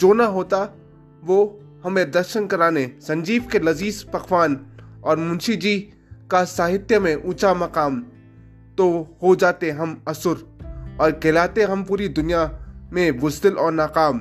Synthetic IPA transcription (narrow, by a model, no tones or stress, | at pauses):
d͡ʒoːnaɦoːt̪a | ʋo | hɐmẽd̪ɐɾʃənkɐɾaːnesɐ̃ɲd͡ʒiːʋkelɐziːzpɐxʋaːnɔːɾmʊ̃nʃid͡ʒi | kasaːɦɪt̪jəmẽʔũːt͡ʃamɐqaːm | t̪ohod͡ʒaːt̪eɦɐmɐsʊɾɔːɾkelaːt̪eɦɐmpuːɾid̪ʊnijamẽbʊsd̪ɪlʔɔːɾnaːqaːm